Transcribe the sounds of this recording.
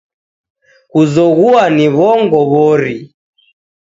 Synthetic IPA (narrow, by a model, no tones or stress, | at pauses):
kuzɔɣuaniβɔŋɡɔβɔɾi